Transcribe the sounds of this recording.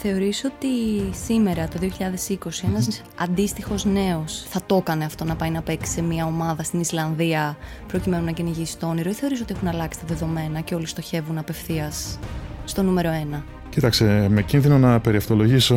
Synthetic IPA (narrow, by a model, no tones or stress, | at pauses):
θe̞o̞ɾiso̞t̪isime̞ɾɐt̪o̞ðioçiʎɐðe̞siko̞sie̞nɐz | ɐnd̪ist̪ixo̞zne̞o̞sθɐt̪o̞kɐneɐft̪o̞nɐpɐjnɐpe̞ksi̥semiɐomɐðɐst̪inislɐnðiɐ | pɾocime̞nunɐceniʝisi̥st̪oo̞niɾoiθe̞o̞ɾis̬o̞t̪ie̞xunɐlɐksi̥t̪ɐðe̞ðo̞me̞nɐce̞o̞list̪o̞çe̞vunɐpe̞fθiɐsːt̪o̞nume̞ɾo̞e̞nɐ | cit̪ɐkst̪emecinðino̞nɐpe̞ɾiɐft̪o̞lo̞ʝiso